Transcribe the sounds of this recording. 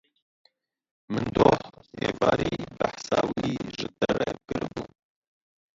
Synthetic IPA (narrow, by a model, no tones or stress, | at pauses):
mɨnd̪oːħheːvɑːɾibaħsɑːwiʒɨd̪ɛɾɛkɨɾbuːn